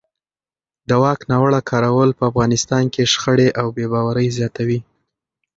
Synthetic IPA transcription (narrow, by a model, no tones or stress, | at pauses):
d̪əwɑknɑwəɽakʰɑɾawəlpəafɣɑnɪst̪ɑnkeʂxəɽeʔawbebɑwaɾəjzjɑt̪awi